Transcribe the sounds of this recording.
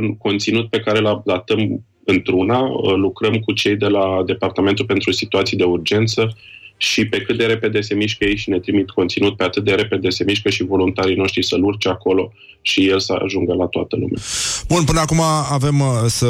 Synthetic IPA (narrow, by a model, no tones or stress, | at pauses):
unko̞nt̪sinut̪̚pe̞kaɾe̞lalat̪əm | ɨnt̪ɾunalukɾəmkut͡ʃe̞jd̪e̞lad̪e̞part̪ament̪ulpe̞nt̪ɾusit̪uat̪sijd̪e̞urd͡ʒe̞nt̪sə | ʃipe̞kɨt̪̚d̪e̞ɾe̞pe̞d̪e̞se̞miʃkəjejʃine̞t̪ɾimit̪ko̞nt̪sinut̪̚pe̞at̪ɨt̪̚d̪e̞ɾe̞pe̞d̪e̞se̞miʃkəʃivo̞lunt̪aɾino̞ʃt̪ɾisəlurt͡ʃeako̞lo̞ | ʃije̞lsəa̰ʒuŋɡəlat̪oat̪əlṵmʲja̰b̥unpɨnəakumaːve̞msə